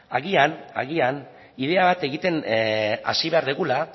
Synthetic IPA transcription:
aɣiana̰ɣ̞ian | ið̞e̞aβat̪e̞ɣit̪e̞na̰siβe̞aɾðiɣula

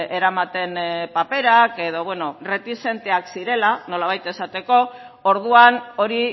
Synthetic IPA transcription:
e̞ɾamat̪e̞npape̞ɾake̞ðo̞βwe̞no̞re̞t̪ise̞nt̪e̞aksiɾe̞lano̞laβ̞ajt̪e̞sat̪e̞ko̞ | oɾð̞uano̞ɾi

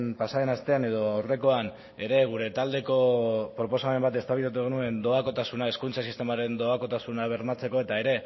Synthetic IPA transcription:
npasaðe̞nast̪e̞ane̞ð̞o̞awre̞ko̞an | e̞ɾe̞ɣ̞uɾe̞t̪ald̪e̞ko̞pɾo̞po̞same̞mbat̪e̞st̪aβilat̪̬ueɣenue̞nd̪o̞ako̞t̪asunae̞skunt͡sasist̪e̞maɾe̞nd̪o̞ako̞t̪asunaβ̞e̞ɾmat͡se̞ko̞e̞t̪ae̞ɾe̞

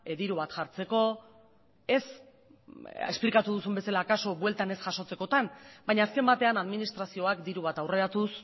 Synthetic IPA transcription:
d̪iɾuβ̞at̪ʝaɾt͡se̞ko̞ | e̞s | ḛsplikat̪uðusumbe̞salaːkaso̞βwe̞lt̪ane̞sʝaso̞t͡se̞ko̞t̪anbajɲaːske̞mbat̪e̞anaðminist̪ɾasio̞akd̪iɾuβ̞at̪awre̞ɾat̪us

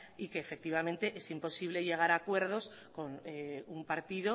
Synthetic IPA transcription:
ikeːfek̚t̪iβ̞amẽnt̪eʔesimpo̞siβle̞ʎe̞ɣ̞aɾakwe̞ɾðo̞s | ko̞numpaɾt̪iðo

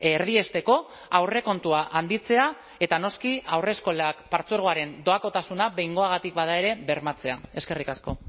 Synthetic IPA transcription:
ɾð̞ie̞st̪e̞ko̞ | awre̞ko̞nt̪uaʔand̪it͡se̞a | e̞t̪ano̞skiawre̞ːsko̞lakpaɾt͡suoɾɣo̞aɾe̞nd̪o̞ako̞t̪asunaβe̞jŋɡo̞aɣ̞at̪ikbað̞ae̞ɾe̞βe̞ɾmat͡se̞ae̞ske̞rikasko̞

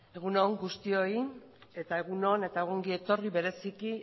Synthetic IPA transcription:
e̞ɣ̞unoŋɡust̪io̞ie̞t̪ae̞ɣ̞uno̞ne̞t̪aeɣoŋɡie̞t̪o̞riβe̞ɾe̞siki

